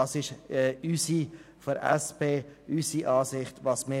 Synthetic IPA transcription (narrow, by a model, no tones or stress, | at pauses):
ɑːsɪʃɛysi | fɔɾɛ̰speːysiʔɑːsɪχtʋɑsmɪ